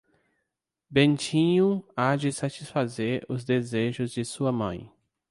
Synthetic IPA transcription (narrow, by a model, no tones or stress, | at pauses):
bẽnt͡ʃĩɲʊad͡ʒɪsat͡ʃisfazeɾʊzd̪ezeʒʊzd͡ʒɪsuɐmɐ̰̃j̃